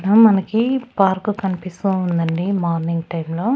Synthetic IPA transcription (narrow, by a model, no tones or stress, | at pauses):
nɐmɐnɐkipaːɾkukɐnipist̪uːnd̪ɐɳɖimaːɾniŋɡʈɐjmlo̞ː